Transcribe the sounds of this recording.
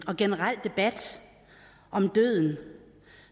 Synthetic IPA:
ɒ̽ɡ̥enəʁal̰d̥e̝b̥æd̥ | ʔɒ̽md̥øð̰ˠn̩

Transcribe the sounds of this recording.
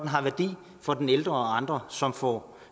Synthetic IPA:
d̥enɦɑ̈ʋæɐd̥ḭː | fɒ̽d̥eneld̥ʁɐɒɑ̈nd̥ʁɐsɒ̽mfɒ̰

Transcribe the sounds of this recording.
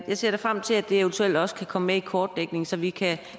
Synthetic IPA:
jɑ̈ɪse̝ɐ̰ɾ̥efʁam̰t͡sʰe̝læd̥e̝eʊnt͡sʰuel̰d̥ɒ̽sə̥kʰækʰɒ̽məmeikʰɒːd̥ːeɡ̥ne̝ŋsɒ̽ʋikʰæ

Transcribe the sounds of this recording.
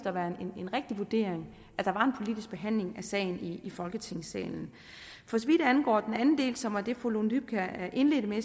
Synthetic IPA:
d̥ɐʋæɐe̝ne̝nʁɛɡ̥̚d̥iʋuɐd̥e̝̰ːɐ̰eŋ | ʔæd̥ɑ̈ʋɑ̈e̝npʰo̝lid̥isɡ̥̚b̥e̝ɦæn̰le̝ŋæsɛ̰ːɪn̩iːfɒ̽lɡ̥ət͡sʰe̝ŋ̰sɛ̰ːln̩ | fɒ̽sɒʋid̥ænɡ̥ɒ̰ːd̥enænn̩d̥e̝̰ːlsɒ̽mæd̥e̝folondyb̥kʰæʔe̝nle̝ːd̥əme

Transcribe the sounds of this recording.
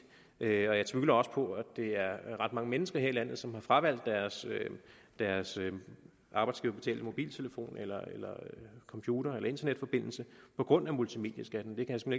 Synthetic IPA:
ʔøɒ̽jɑ̈ɪt͡sʰʋyɡlɐɒ̽sə̥pʰɒ̽æd̥e̝æɐʁɑ̈d̥mɑ̈ŋəmenəsɡ̥ɐɦe̝ɐ̰ilæn̰ð̞̩ˠsɒ̽mhɑ̈fʁɑ̈ʋæl̰d̥ːæɐs | d̥æɐsø | ʔɑ̈b̥ɑ̈ɪdsɡ̥iːʊɐb̥e̝t͡sʰɛ̰ːld̥əmo̝b̥ḭːlt͡sʰe̝ləfo̝̰ːnelɐelɐkʰɒ̽mpʰjuːɾ̥ɐelɐe̝nd̥ɐned̥fɒ̽b̥e̝n̰l̩səpʰɒ̽ɡ̥ʁɔ̽n̰æmult͡sʰime̝ːd̥jəsɡ̥æd̥n̩d̥e̝kʰæjasemee

